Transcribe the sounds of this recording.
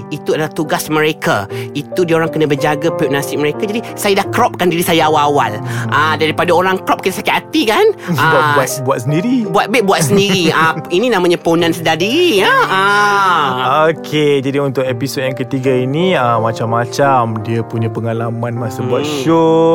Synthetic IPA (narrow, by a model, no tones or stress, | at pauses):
it̪uadalaht̪uɡasməɾekait̪udioɾaŋkənabərd͡ʒaɡapɛp̚nasɪk̚məɾekad͡ʒadisajadahkɾɔp̚kandiɾisajaawaawa̰lədaɾipadaoɾaŋkɾɔp̚kit̪asakɪt̪̚at̪ikanəabuat̪̚buat̪̚səndiɾibuat̪̚bɛʔ̚buat̪̚səndiɾiainĩnãmãɲãpəunãnsəndadiɾiəə | okʰed͡ʒadiunt̪ʊk̚episot̚jaŋkət̪iɡainĩəmat͡ʃamːat͡ʃamdiapuɲapəŋalamãnmasabuat̪̚ʃo